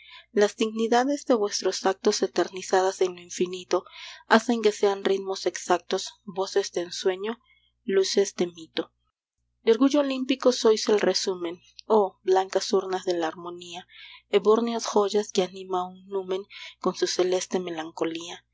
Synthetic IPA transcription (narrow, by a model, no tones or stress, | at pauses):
lazd̪iɣniðaðe̞zðe̞βwe̞st̪ɾo̞sak̚t̪o̞set̪e̞ɾnisaðase̞nloiɱfinit̪o̞ase̞ŋke̞se̞anrit̪mo̞se̞ksak̚t̪o̞sbo̞se̞zd̪eːnswe̞ɲo̞ | luse̞zd̪e̞mit̪o̞ | d̪o̞ɾɣuʝo̞ːlimpiko̞so̞jse̞lresumẽ̞n | oblaŋkasuɾnazðe̞laːɾmõ̞niaeβoɾnjasxo̞ʝaskeanĩmauŋnumẽ̞ŋko̞nsuse̞le̞st̪e̞me̞laŋko̞lia